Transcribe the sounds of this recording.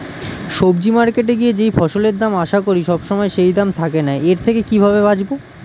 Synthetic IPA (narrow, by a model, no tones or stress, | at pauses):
ʃobd͡ʑimaɾkeʈ̬eɡied͡ʑejfɔʃoleɾd̪amaʃakoɾiʃɔbʃɔmɔeʃejd̪amt̪ʰakenaeeɾt̪ʰekekibʱaβebad͡ʑbo